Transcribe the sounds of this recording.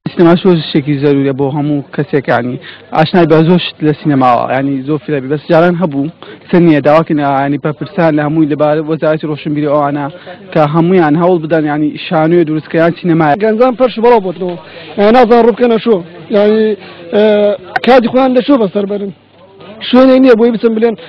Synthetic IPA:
siːnɐmaːʃzoɾʃt̪ekizɐɾuːɾijɐboːɦɐmukʰɐsekjaʕniʔa̰ːʃnaːibazoɾʃt̪lɐsiːnɐmaːwɐ̰jaʕnizoɾfithɐbiebɐsd͡ʒaːɾaːnɦɐbusɐɾnijɐd̪aːwaːkɨnjaʕnipɐpɨɾsanlɐhɐmuːjlɐbaːɾwɐzaːɾɐt̪iroːʃɐmbiːɾiwʔɐwaːnɐkɐɦɐmuːjaːnɦɐwlˠbɨd̪ɐnjaʕniʃaːnued̪uɾuskɐjaːnsiːnɐmaːjeɡɐnzaːnpʰɐɾʃibɐlˠaːwbot̪nɐwɐjaninaːzaːnnrubkɐnɐt͡ʃojaʕni | kʰaːt̪ixojaːnlɐt͡ʃobɐsɐɾbɐɾɨn | ʃeneknijɐbojibɨt͡sɨmbɨleːn

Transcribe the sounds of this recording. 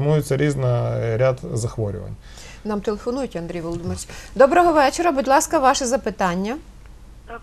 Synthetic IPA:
mujʊt͡sʲːɐɾʲiznɐɾʲad̪zɐxʋɔɾʲʊ̰ʋɐ̰nʲ | nɑmt̪elˠefɔnujʊtʲɐnd̪ɾʲijʋɔlˠɔd̪ɪmeɾʲt͡ʃʲd̪ɔbɾɔɦɔʋɛt͡ʃeɾɐbudʲlˠɑskɐʋɑʃɛzɐpɪt̪ɑnʲːɐ

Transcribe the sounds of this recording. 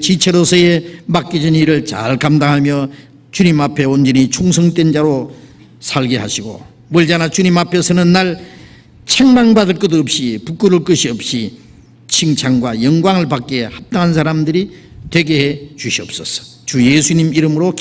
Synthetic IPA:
t͡ɕit͡ɕʰeɾosʰʌemak͈id͡ʑiniɾɯɭt͡ɕa̰ɭkamdaŋɦamjʌ | t͡ɕuɲimapʰe̞ond͡ʑʌɲit͡ɕʰuŋsʰʌŋt͈wend͡ʑaɾo | sʰaɭɡeɦa̰ɕʰiɡo̰ | mʌɭd͡ʑanat͡ɕuɲimapʰe̞sʰʌnɯnːaɭ | t͡ɕʰaŋmaŋbadɯɭk͈ʌdʌp̚ɕ͈ipuk͈ɯɾuɭk͈ɯɕʰiʌp̚ɕ͈i | t͡ɕʰiŋt͡ɕʰaŋɡwajʌŋɡwaŋɯɭpak͈̚e̞hap̚t̪͈aŋɦansʰaɾamdɯɾitwe̞ɡe̞ɦet͡ɕuɕʰiʌp̚s͈ʌsʌ̥ | t͡ɕujesʰuɲimiɾɯmɯɾok

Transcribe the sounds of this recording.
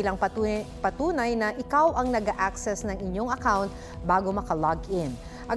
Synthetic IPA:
ilɐŋpɐpɐt̪uːnɐjnɐʔɪkawʔɐŋnɐɡaʔaksɛsnɐŋɪɲːo̞ŋɐkawnt̪̚ | baːɡo̞mɐkɐlaɡɪn | ʔɐ

